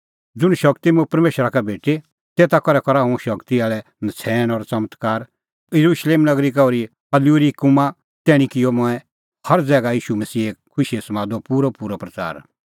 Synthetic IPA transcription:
d͡zʊɽ̃ʃɐkt̪imũpɐɾmeːʃɾakɛbʱeːʈe | t̪eːt̪akɔɾɛkɔɾaɦũʃɐkt̪iaːɭɛ | nɐt͡sʰɛːñɔɾt͡sɐmət̪kaːɾ | jɐɾuːʃleːmnɐɡɾikaɔːɾi | ɐljuɾikʊmã | t̪ɛːɽ̃ĩkɪjɔmʊ̃ɛ̃ | hɐɾd͡zɛːɡaiːʃumɐsiːeːkkʰːʊʃiesɐmãːd̪opuːɾɔpuːɾopɾɐt͡sa̰ːɾ

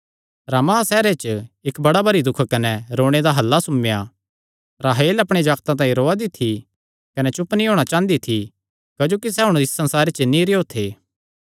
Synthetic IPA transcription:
ɾamaasɛːɾet͡ʃɪkbɐɽabɐɾid̪ʊkʰkɐnɛɾoːɽ̃ed̪aɦɐlːasʊmja | ɾaɦeːlɐpɽ̃ed͡ʒaːɡt̪ãt̪̬ãːĩɾoːad̪it̪ʰːi | kɐnɛt͡ʃʊpnĩɦoːɽ̃at͡ʃãːnd̪it̪ʰi | kɐd͡ʒoːkis̬ɛɦʊɽ̃t̪ɪssɐ̃nsaːɾet͡ʃnĩɾeoːt̪ʰeː

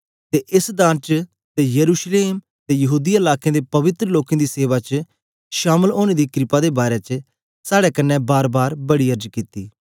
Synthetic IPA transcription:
t̪eːʔɪsd̪ãːnt͡ʃ | t̪eːjəɾuːʃleːm | t̪eːjɐɦuːd̪iɪlaːkẽːd̪eːpɐʋɪt̪ɾəloːkẽːd̪iːseːʋat͡ʃ | ʃaːməloːɽ̃eːd̪iːkɾɪpaːd̪eːbaːɾɛːt͡ʃ | saːɽɛkɐnːɛ̃baːɾbaːɾbɐɽiəɾd͡ʒkit̪iː

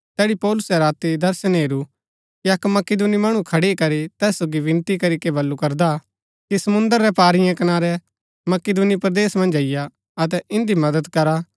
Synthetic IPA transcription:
t̪ɛːɽipɔːlʊsɛɾaːt̪id̪ɐɾsənɦeːɾu | kiɐkmɐkɪd̪unimɐɽ̃ũkʰɐɽekɐɾit̪ɛːsːoːɡiʋɪ̃nt̪ikɐɾikebɐlːukɐɾd̪a | kisɐmʊ̃nd̪əɾːɛpaːɾɪjɛ̃kɐnaːɾɛ | mɐked̪unipɾɐd̪eːsmɐ̃nd͡ʒɐɪja | ɐt̪̬ɛʔɪ̃nd̪imɐd̪əd̪kɐɾa

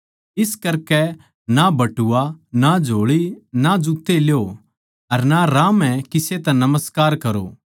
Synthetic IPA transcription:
ɪskɐɾkɛ | nabɐʈuːanad͡ʒʱoːɭinad͡ʒʊkt̪eljo | ɐɾnaɾaːmɛ̃kɪset̪ɛ̃nɐməskaːɾkɐɾo̰ː

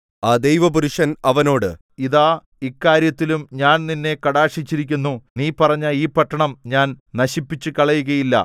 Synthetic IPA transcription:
aːd̪ejʋɐpuɾuʂɐnɐʋɐno̞ːɽɨ | iðaː | ikːaːɾjɐt̪ːilumɲaːnninːe̞kɐɽaːʂit͡ɕːiɾik̬ʲːunːuniːpɐrɐɲːɐiːpɐʈːɐɳɐmɲaːnnɐɕipːit͡ɕːɨkɐɭɐjuɣɐjilːɐ̰

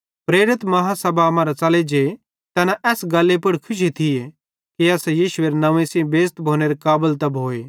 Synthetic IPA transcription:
pɾeːɾɪt̪mɐɦasɐbaɐmãːɾat͡sɐled͡ʒe | t̪ɐnaʔɛːsɡɐlːepʊɽkʰʊʃ̬it̪ʰɪje | kiɐsjiːʃʊeɾnɐʋẽsĩbeːst̪bʱoːñeɾekaːbəlt̪ɐbʱoːeː

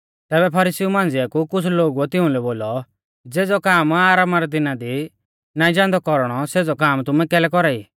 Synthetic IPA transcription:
t̪ɛːbɛpʰɐɾɪsiumãːnd͡zɪakukʊt͡sʰloːɡuɛt̪ɪʊ̃lɛboːlɔ | d͡zeːd͡zɔkaːmaːɾaːmaɾɛd̪ɪnad̪i | naːĩd͡ʒãːnd̪ɔkɔɾɽ̃ɔseːd͡zɔkaːmt̪ʊmɛkɛːlɛkɔɾaːi

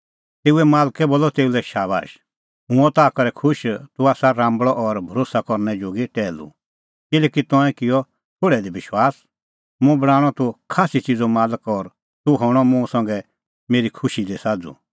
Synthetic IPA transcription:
t̪eːuɛmaːlkɛboːlːɔt̪eːulɛʃaːba̰ːʃ | ɦʊ̃ɔ̃t̪aːkɐɾɛkʰʊʃt̪uaːsaɾãːmbɭɔʔɔɾbʱɐɾoːsakɔɾnɛd͡ʒoːɡiʈɛːlṵ | kɪlɛːkit̪ɔ̃ɛ̃kɪjɔ | t̪ʰoːɽɛd̪ibɪʃwaːs | mũbɐɽ̃aːɽ̃ɔt̪ukʰaːsit͡sid͡zɔmaːləkɔɾ | t̪uɦɔːɽ̃ɔmũsɐ̃ŋɡɛ | meːɾikʰʊʃid̪esaːd͡zṵ

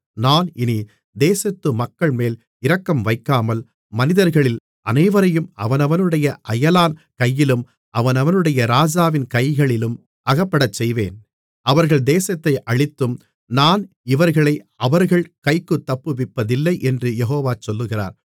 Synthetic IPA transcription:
naːnɪni | d̪eːsɐt̪ːɯmɐkːɐɭmeːl | ɪɾɐkːɐmʋɐɪkːaːmɐl | mɐnɪðɐɾɣɐɭɪl | ʔɐ̰nɐɪʋɐɾɐjɯmɐ̰ʋɐnɐʋɐnɯɽɐjɐʔɐjɐlaːnkɐjːɪlɯm | ʔɐʋɐnɐʋɐnɯɽɐjɐɾaːd͡ʒaːʋɪnkɐɪjɣɐɭɪlɯm | ʔɐɣɐpːɐɽɐt͡ʃːɛjʋeːn | ʔɐʋɐɾɣɐɭd̪eːsɐt̪ːɐɪʔɐɭɪt̪ːɯm | naːn | ɪʋɐɾɣɐɭɐɪ | ɐʋɐɾɣɐɭkɐɪkːɯt̪ːɐpːɯʋɪpːɐðɪlːɐɪʔɛndrɯjɛɦoːʋaːt͡ʃɔlːɯɣɪra̰ːɾ

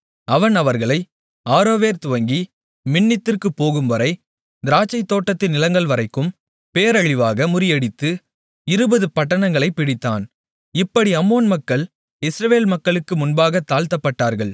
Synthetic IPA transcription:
ɐʋɐnɐʋɐɾɣɐɭɐɪ | aːɾoːʋeːɾt̪ʊʋɐŋɡi | mɪɳːɪt̪ːɪrkɯpːoːɣɯmʋɐɾɐɪ | d̪ɪɾaːt͡ʃːɐɪt̪ːoːʈːɐt̪ːɪnɪlɐŋɡɐɭʋɐɾɐɪkːɯm | peːɾɐɻɪʋaːɣɐmʊɾɪjɐɽɪt̪ːɯ | ɪɾɯbɐðɯpɐʈːɐɳɐŋɡɐɭɐɪpːɪɽɪt̪ːa̰ːn | ɪpːɐɽiɐmːoːnmɐkːɐɭ | ɪsɾɐʋeːlmɐkːɐɭɯkːɯmʊnbaːɣɐt̪ːaːlt̪ɐpːɐʈːaːɾɣɐɭ

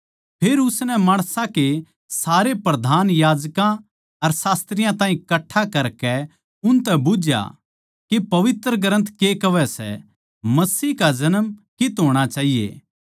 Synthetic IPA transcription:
pʰeːɾʊsnɛmaːɽ̃sãke | saːɾepɾɐd̪ʱaːnjaːd͡ʒkã | ɐɾsaːst̪ɾɪjãt̪ãːɦĩkɐʈʰːakɐɾkɛ | ʊnt̪ɛbʊd͡ʒja̰ | kepɐʋɪt̪ɾəɡəɾə̃nt̪ʰkekɐʋɛsɛ̰ | mɐsiːkad͡ʒɐnəmkɪt̪ɦoːɽ̃at͡ʃaːɦijḛː

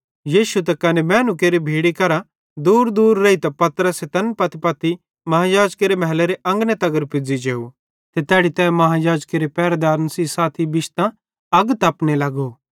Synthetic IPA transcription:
jiːʃut̪̬ɐkɐnemɛːnukeːɾibʱeːɽikɐɾa | d̪uːɾd̪uːɾːeit̪ɐpɐt̪ɾəset̪ɐnpɐt̪ipɐt̪i | mɐɦãjaːd͡ʒkeɾemɛɦleɾeʔɐ̃ŋɡnet̪ɐɡəɾpɪd͡zid͡ʒeːu | t̪et̪ɛːɽit̪ɛːmɐɦãjaːd͡ʒkeɾepɛːɾd̪aːɾnəsisaːt̪ʰibɪʃt̪ã | ɐɡt̪ɐpnelɐɡo

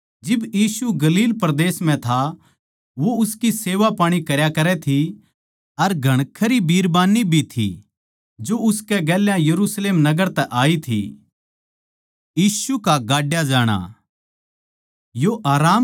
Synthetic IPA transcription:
d͡ʒɪbjiːsuɡɐliːlpɾɐd̪eːsm̤ɛ̃t̪ʰa | ʋoʊskiseːʋapaːɽ̃ikɐɾjakɐɾɛt̪ʰi | ɐɾɡʱɐɽ̃kʰːəɾibiːɾbaːnːibʱit̪ʰḭ | d͡ʒoʊskɛɡɛːljãjɐɾusleːmnɐɡəɾt̪ɛʔaːit̪ʰḭ | jiːsukaɡaːɖjad͡ʒaːɽ̃a̰ː | joʔaːɾaːm

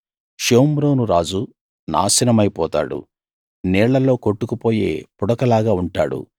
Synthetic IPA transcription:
ʃoːmɾoːnuɾaːd͡ʒu | na̰ːsinɐmɐjpɔːt̪a̰ːɽṵ | nɛːɭːɐlːo̞ːko̞ʈːukupo̞ːje̞̰ːpuɽɐkɐlaːɡaːuɳʈa̰ːɽṵ

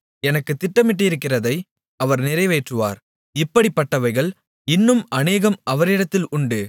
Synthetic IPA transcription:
ɛnɐkːɯt̪ːɪʈːɐmɪʈːɯɪɾɯkːɪrɐðɐɪ | ɐʋɐɾnɪrɐɪʋeːʈrɯʋa̰ːɾ | ɪpːɐɽipːɐʈːɐʋɐɪɣɐɭ | ɪnːɯmɐneːɣɐmɐʋɐɾɪɽɐt̪ːɪlʊɳɖɯ

